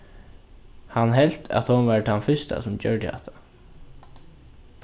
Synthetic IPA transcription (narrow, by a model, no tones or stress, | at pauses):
hanɦɛl̥t̪ʰa̰t̪hɔnʋaɹt̪ʰanfʏst̪a̰sʊmt͡ɕœ̰ɹd̪əhɛ̰ht̪ʰḁ